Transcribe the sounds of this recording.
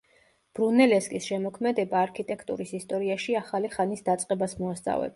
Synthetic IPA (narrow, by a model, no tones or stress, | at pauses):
b̥ɾunɛlɛskʼisʃɛmɔkʰmɛd̪ɛbaːɾkʰit̪ʼɛkʰt̪ʼṵɾisist̪ʼɔɾiaʃiaχaliχanisd̪at̪sʼqʼɛbasmɔast̪ʼa̰vɛ̰b